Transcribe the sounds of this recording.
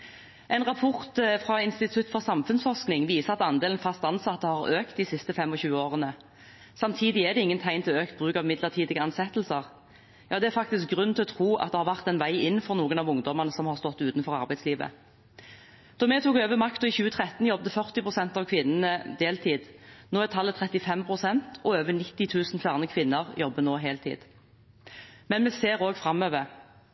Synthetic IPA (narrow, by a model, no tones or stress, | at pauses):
ʔɛɪnʁɑpʰɔʁt̪fʁɑːɪnst̪ɪt̪ʰʉt̪fɔʁsɑmfʉnsfɔʁsknɪŋʋiːsəɑt̪ɑnd̪eːlən̩fɑst̪ɑnsɑt̪ːəhɑʁøːkt̪̚d̪ɪsɪst̪əfɛmɔçʉːəoːʁənə | sɑmt̪ʰiːd̪ɪæʁd̪ɛɪŋːənt̪ʰæɪnt̪ʰɪlɔøːkt̪̚bʁʉːkɑʋɪmɪd̪ləʁt̪ʰiːd̪ɪɡəɑnsɛt̪l̩səʁ | jɑːd̪ɛæɾfɑk̚t̪ɪsk̚ɡʁʉnːt̪ʰɪlɔt̪ʰʁuːʔɑ̰t̪̚d̪ɛhɑʁʋæʁt̪ɛnʋæɪɪn̩ːfɔʁnuːɡənɑʋʊŋd̪ɔməʁnəsɔmhɑʁst̪ɔt̪ːʉːt̪nfɔʁɑʁbæɪd̪sliːʋə̰ | d̪̥ɔmɛt̪ʰuːkøːʋəmɑkt̪ɔɪçʉːət̪ʰʁɛt̪n̩jɔb̚d̪əfœʁt̪ɪpʰʁʊsɛnt̪ɑʋkʰʋɪnːənəd̪eːlt̪ʰiːd̪noːæt̪ʰɑlːət̪ʰʁɛt̪ɪfɛmpʰʁʊsɛnt̪ɔøːʋənɪt̪ːɪt̪ʰʉːsn̩fæːʁnəkʰʋɪnːəʁjɔbːənoːɦeːlt̪ʰḭːd̪̥ | mɛnmɛseːɾoːɡfɾɑmøːʋəɾ